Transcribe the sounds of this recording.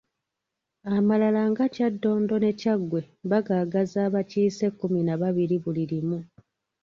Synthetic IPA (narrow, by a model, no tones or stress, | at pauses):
amalalaŋɡacadːo̞ːndo̞ne̞caɡwe̞ | βaɡaːɡazaːβaciːse̞kːuminaβaβiɾiβuliɾimu